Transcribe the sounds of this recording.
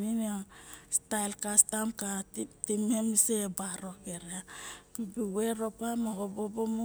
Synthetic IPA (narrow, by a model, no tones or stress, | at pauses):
niniostajlkastamkattimemisebaɾo̞keɾeapibiweɾopamoɡobobomu